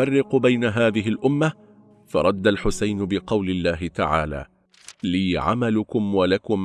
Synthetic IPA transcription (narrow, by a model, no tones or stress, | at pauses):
ɑrːɪqbajnaɦaːðɪɦɪlʔʊmːa | fɑ̰ɾˤɑd̪ːalħʊsajnʊbɪqɑwlɪlːaːɦɪt̪a̰ʕa̰ːla̰ː | liːʕa̰malʊkʊmwalakʊm